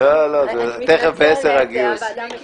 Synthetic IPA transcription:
olozet̪eχefbeeseʁhaɡius

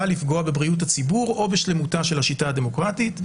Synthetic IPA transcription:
alifɡo̞abe̞bʁiut̬at͡sibuʁo̞beʃle̞mutaʃe̞lhaʃitaade̞mo̞kʁatit

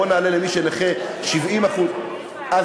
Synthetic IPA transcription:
onaːlelemiʃeneχeʃivimaχu | ʔa

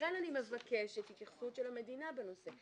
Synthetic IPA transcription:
ananime̞vakeʃethit̪jaχsutʃelhame̞dinabeno̞se̞

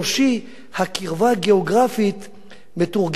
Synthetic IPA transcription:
ʃi | hakiʁvaɡeoɡʁafit̪ | metuʁɡ

